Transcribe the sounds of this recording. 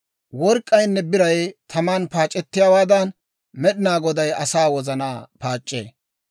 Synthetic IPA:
wɔɾkʼːɐjnːɛbɪɾɐjt̪ʰɐmaːnpaːt͡ʃʼːɛt̪ːɪjawaːd̪ɐn | mɛɗɪnaːɡɔd̪ɐjɐsaːwɔzɐnaːpaːt͡ʃʼːḛː

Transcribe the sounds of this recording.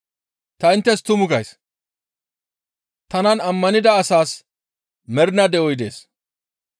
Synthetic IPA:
t̪ɐɪnt̪ːɛst̪ʊmʊɡɐjs | t̪ɐnɐnɐmːɐnɪd̪ɐːsaːs | mɛɾɪnɐd̪ɛɔjd̪e̞ːs

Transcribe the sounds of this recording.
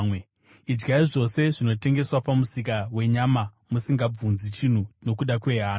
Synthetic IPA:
we | id͡ʒɡaiʐo̞se̞ʐino̞te̞ŋɡe̞swapamusikawe̞ɲama | musiŋɡab͡vunzit͡ʃin̤uno̞kuɗakwe̞ɦaːna

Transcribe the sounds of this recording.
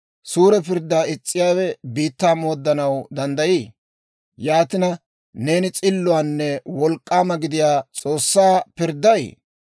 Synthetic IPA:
suːɾɛpɪɾd̪ːaːɪt͡sʼːɪjaːwɛbiːt̪ːaːmo̞ːd̪ːɐnɐwd̪ɐnd̪ɐjiː | jaːt̪ɪnɐ | ne̞ːnɪt͡sʼɪlːʊaːnːɛwɔlkʼːaːmɐɡɪd̪ɪjaːt͡sʼo̞ːsːaːpɪɾd̪ːɐjḛː

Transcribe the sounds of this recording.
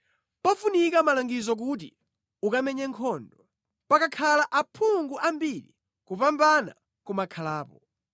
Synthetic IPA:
pafunikamalaŋɡizɔk̬ut̬ḭ | ukamɛɲɛŋkʰɔndɔ | pakakʰalaʔapʰuŋɡuʔambilḭ | kupambana̰ | kumakʰalaːpɔ

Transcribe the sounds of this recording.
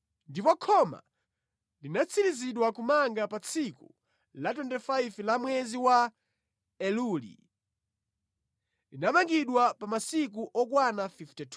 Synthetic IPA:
ndipɔkʰɔma̰ | linat͡sʰiɾiziɗwakumaŋɡapat͡sʰiku | lat̬wɛntɛfajvlamwɛziwa | ɛlulḭ | linamaŋɡiɗwapamasik̬uʔɔkwanafiftɛtʰ

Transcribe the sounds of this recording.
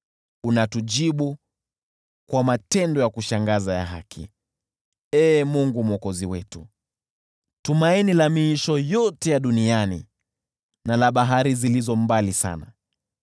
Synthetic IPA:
unatuʄiɓu | kwamatɛndɔjakuʃaŋɡazaja̰ɦa̰kʰḭ | ɛːmuŋɡumɔkɔziwɛtṵ | tumainilamiiʃɔjɔtɛjaɗunianḭ | nalaɓaɦaɾizilizɔmbalisa̰na̰

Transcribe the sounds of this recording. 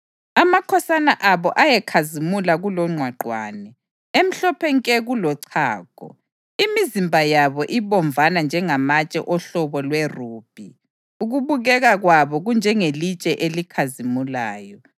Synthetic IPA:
amakʰɔsanaʔaβɔʔajɛkʰazimulaɣulɔŋ͡ǀʱwaǃwa̰ːnɛ | em̩ɬɔpʰɛŋkʼɛɣulɔǀʰa̰ːɣʼɔ̰ | imizimbʱajaβɔʔiβɔɱvʱanand͡ʒʱɛŋamat͡ʃʼɛ̰ʔɔɬɔβɔlweruːb̥ʱi | uɣuβuɣɛɣaɣwaβɔɣund͡ʒʱɛŋelit͡ʃʼɛʔelikʰazimulaːjɔ

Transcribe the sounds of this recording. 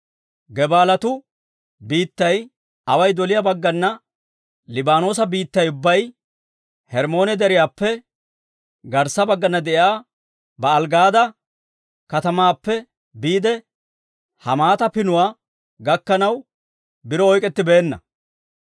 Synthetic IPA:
ɡɛbaːlɐt̪ʊ | biːt̪ːɐj | ɐwɐjd̪ɔlɪjɐbɐɡːɐnːɐ | lɪbaːno̞ːs̬ɐbiːt̪ːɐjʊbːɐj | hɛɾmo̞ːnɛd̪ɛɾɪjaːpːɛ | ɡɐɾsːɐbɐɡːɐnːɐd̪ɛʔjaː | bɐːlɡaːd̪ɐ | kɐt̪ɐmaːpːɛ | biːd̪ɛ | hɐmaːt̪ɐpɪnʊwaː | ɡɐkːɐnɐw | bɪɾɔɔjkʼɛt̪ːɪbe̞ːnːɐ̰

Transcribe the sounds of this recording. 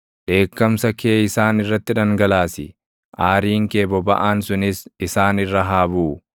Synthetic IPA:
ᶑe̞ːkːɐmsɐkʰeːɪsaːnɪrːɐt̪ːɪᶑɐŋɡɐlaːsɪ | ʔaːɾiːŋkeːbɔbɐ̰ʔaːnsʊnɪsɪsaːnɪrːɐɦaːbuː

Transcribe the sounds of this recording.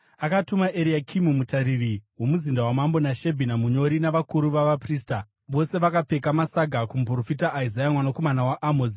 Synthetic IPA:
akatumaʔeɾiakʰimumutaɾiriwo̞muzindawamambo̞naʃe̞bʱinamuɲo̞ɾinaʋakuɾuʋaʋapriːsta | ʋo̞se̞ʋakape̞kamasaɡʱakump̬ro̞fitaʔːizajamwanoko̞manawaʔamod͡zi

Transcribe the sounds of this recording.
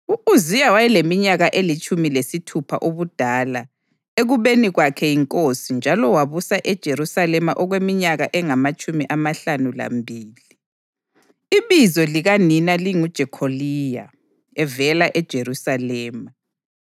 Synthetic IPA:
uuzijawajɛlemiɲaɣaʔelit͡ʃʼumilesitʰupʰa̰ʔoβud̥ʱaːla | eɣuβeniɣwakʰɛiŋkʼosind͡ʒʱalɔwaβusaʔɛd̥ʒ̥ʱeɾusalɛmaʔɔɣwemiɲaɣaʔɛŋamat͡ʃʼumiʔamaɬanula̰mbʱiːli | iβizɔliɣaninaliŋud̥ʒ̥ʱɛkʰolija̰ | ɛvɛlaʔɛd̥ʒ̥ʱeɾusalɛːma

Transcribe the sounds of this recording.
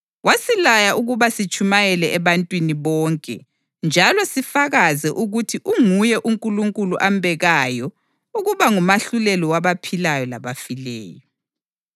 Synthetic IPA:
wasilajaʔuɣuβasit͡ʃʼumajɛlɛʔɛβantʼwiniβɔːŋkʼɛ̰ | nd͡ʒʱalɔsifaɣazɛʔuɣutʰiʔuŋujɛʔuŋkʼuluŋkʼuluʔambʱɛɣajɔ | uɣuβaŋumaɬulɛlɔwaβapʰilajɔla̰βafilɛ̰ːjɔ

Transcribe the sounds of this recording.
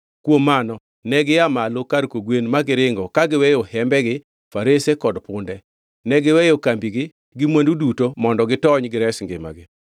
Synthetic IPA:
kwomːanɔ | nɛɡɪamalokaɾkoɡwenmaɡɪɾɪŋɡɔkaɡɪwɛjohɛmbɛɡɪ | faɾesekɔdpʊndɛ | nɛɡɪwɛjokambiɡɪ | ɡɪmwendudutomɔndɔɡɪtɔɲɡɪɾɛsŋɡɪ̰ma̰ɡɪ

